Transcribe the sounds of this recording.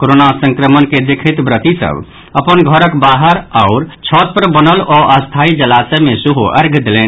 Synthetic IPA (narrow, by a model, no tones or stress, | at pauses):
koɾonasəŋkɾəmənked̪ekʰit̪bɾət̪isə̰b | əpənɡʱəɾəkbaɦəɾaʊɾt͡ʃʰɔt̪̚pəɾbənəlɔʔəst̪ʰaid͡ʒəlasemesuɦoʔəɾɡʱd̪elen